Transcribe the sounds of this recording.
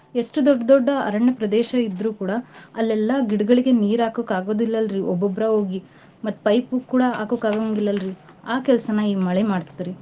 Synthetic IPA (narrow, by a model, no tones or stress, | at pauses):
e̞ʂʈud̪ɔɖːɐd̪ɔɖːɐɐ̰ɾɐɳːɐpɾɐd̪ɛːʃɐid̪ɾuːkuːɽɐːlːɛlːɐɡiɽɐɡɐɭiɡe̞niːɾaːkokaːɡoːd̪ilːɐlɾiʔɔbːɔbɾɐoːɡi | mɐt̪ːu̥pɐjpukːuːɽɐa̰ːkokaːɡoɐŋɡilːɐlɾi | aːkɛlɐsɐnɐiːmɐɭemaːɽt̪id̪iɾi